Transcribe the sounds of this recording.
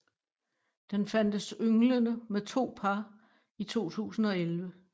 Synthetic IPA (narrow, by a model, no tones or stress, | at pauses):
d̥enfæn̰d̥əsøŋlənəmet͡sʰo̝̰ːpʰɑ̈ | it͡sʰo̝̰ːt͡sʰṵːsn̩ɒ̽elʋə